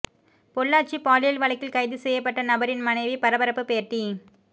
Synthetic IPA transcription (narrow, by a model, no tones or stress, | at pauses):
pɔɭːaːʈt͡ʃipaːlɪjɐlʋɐɭɐkːɪlkɐɪðɯsɛjːɐpːɐʈːɐnɐbɐɾɪnmɐnɐɪʋipɐɾɐbɐɾɐpːɯpeːɾʈːi